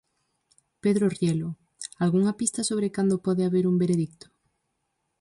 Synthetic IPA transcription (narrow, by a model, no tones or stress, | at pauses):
peðɾorjɛlʊ | alɣuŋapist̪asoβ̞ɾekand̪opɔðeaβeɾumbeɾeðik̚t̪ʊ̥